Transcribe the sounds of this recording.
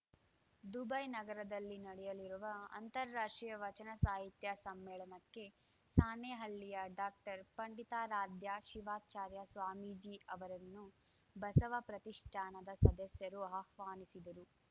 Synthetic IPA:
d̪ubɐjnɐɡɐɾɐd̪ɐlːinɐɽɛjɐliɾuʋɐɐ̰nt̪ɐɾːaːʂʈɾijɐʋɐt͡ʃɐnɐsaːɦit̪jɐsɐmːɛːɭɐnɐkːe̞ | saːneɦɐɭːijɐɖaːk̚ʈɐɾpɐɳɖit̪aːɾaːd̪jaʃiʋaːt͡ʃaːɾjɐsʋaːmiːd͡ʒiɐʋɐɾɐnːu | bɐsɐʋɐpɾɐt̪iʂʈʰaːnɐd̪ɐsɐd̪ɐsjɐɾuaːhʋaːnisid̪ɐɾu

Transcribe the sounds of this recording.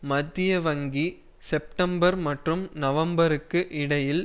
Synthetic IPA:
mɐd̪ːɪjɐʋɐŋɡi | sɛp̚ʈɐmbɐɾmɐʈrɯmnɐʋɐmbɐɾɯkːɯʔɪɽɐjɪl

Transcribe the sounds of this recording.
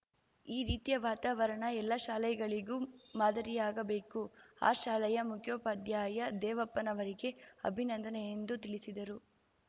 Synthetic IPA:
iːɾiːt̪ijɐʋaːt̪aːʋɐɾɐɳɐɛlːɐʃaːlɛjɡɐɭiɡuːmaːd̪ɐɾijaːɡɐbe̞ːkua̰ːʃaːlɐjɐmukʰjoːpad̪jaːjɐd̪ɛːʋɐpːɐnɐʋɐɾiɡe̞ɐ̰bʱinɐnd̪ʱɐnejend̪ut̪iɭisid̪ɐɾu

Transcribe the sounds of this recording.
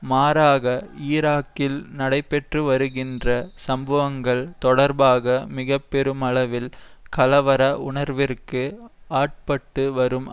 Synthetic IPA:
maːɾaːɣɐiːɾaːkːɪlnɐɽɐɪpːɛʈrɯʋɐɾɯɣɪndrɐsɐmbɐʋɐŋɡɐɭt̪ɔɽɐɾbaːɣɐmɪɣɐpːɛɾɯmɐɭɐʋɪlkɐlɐʋɐɾɐʊɳɐɾʋɪrkɯaːʈ̚pɐʈːɯʋɐɾɯm

